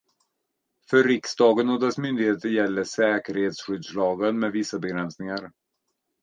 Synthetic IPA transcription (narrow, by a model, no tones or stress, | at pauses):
fœɾːɪksd̪ɑːɡənod̪ɛsmʏnd̪ɪɡheːt̪əɾjɛlːəʂɛːkəɾheːt̪sɧʏd̪slɑːɡənmɛd̪vɪsːabɛɡɾɛnsnɪŋaɾ